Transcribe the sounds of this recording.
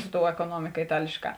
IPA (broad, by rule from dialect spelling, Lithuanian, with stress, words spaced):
sʊ toːʊ ɛkoːˈnuɔmʲɪkɐ ɪˈtɑːlʲeːʃˌkɑː